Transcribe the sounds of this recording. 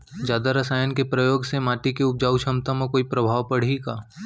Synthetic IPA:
d͡ʒjaːd̪aɾɐsaːjənkepɾɐjoːɡsemaːʈikeʊp̚d͡ʒaːuʃɐmt̪ãmakoːipɾɐbʱaːʋpɐɽ̤iɡaː

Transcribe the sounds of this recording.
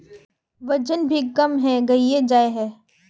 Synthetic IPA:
ʋɐd͡ʒənbʱikɐmɦɛɡɐied͡ʒaːeɦɛː

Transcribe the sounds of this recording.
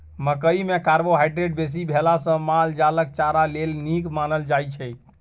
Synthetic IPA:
məkəimekaɾboɦajɖɾeɖbes̬ibʱelasə̃mald͡ʒalək̚t͡ʃaɾalelnikmanəld͡ʒajt͡ʃʰɛ

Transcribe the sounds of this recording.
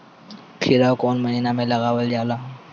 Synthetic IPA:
kʰɪɾakɔːnmɐɦiːnamẽlɐɣaːʋəld͡ʒaːlaː

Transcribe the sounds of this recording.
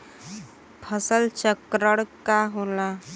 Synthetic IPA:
pʰəsəlt͡ʃəkɾəɽkaɦola

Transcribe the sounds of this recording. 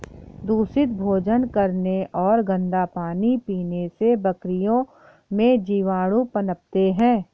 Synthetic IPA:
d̪uːsɪt̪̚bʱoːd͡ʒənkɐɾneʔɔːɾɡə̃nd̪apaːnipiːnesebɐkɾɪjõ | mẽd͡ʒiːʋaːɽupɐnəp̚t̪eɦɛ̃ː

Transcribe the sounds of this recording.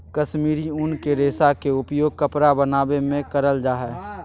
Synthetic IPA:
kəʃmiːɾiʊnkeɾeːsakeʊpjoːɡ̚kəpɾabənaːbemẽkəɾəld͡ʒaːɦɛː

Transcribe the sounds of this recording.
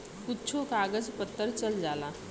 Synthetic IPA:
kutːt͡ʃʰokaːɡəd͡zpət̪ːəɾt͡ʃəld͡ʒaːla

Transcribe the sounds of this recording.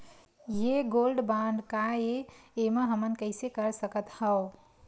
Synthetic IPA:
jeɡolɖbãnɖkaeeməɦəmənkəɪsekəɾsəkət̪həo

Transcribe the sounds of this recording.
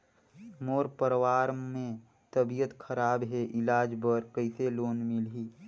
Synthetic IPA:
moːɾpəɾwaːɾmẽ | t̪əbijət̪kʰəɾaːbɦɛʔɪlaːd͡ʒbəɾkəɪseloːnmɪlɦiː

